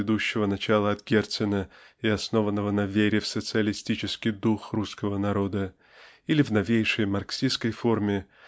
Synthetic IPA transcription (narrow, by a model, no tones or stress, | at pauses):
ɪd̪uɕːɪvənɐt͡ɕalˠəɐt̪ɡʲert̪sɨnə | ɪɐsno̞vənːəvənɐvʲeɾʲɪfsət̪sɨəlʲɪsʲtʲit͡ɕɪskʲɪjd̪uxruskəvənɐɾo̞d̪ə | ilʲɪvnɐvʲejʂəjmɐrksʲiskəjfo̞rmʲɪ